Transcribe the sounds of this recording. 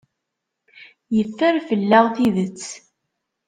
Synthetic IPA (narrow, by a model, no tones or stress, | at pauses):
jəfːæɾfəlːæʁθiðət͡sː